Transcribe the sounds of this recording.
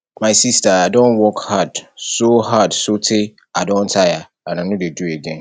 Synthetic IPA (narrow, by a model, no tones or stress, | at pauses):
maɪsistaadɔ̃nwɔkhadsohadsotʰe | adɔ̃ntʰaja | ãnanũdedueɡɛ̃n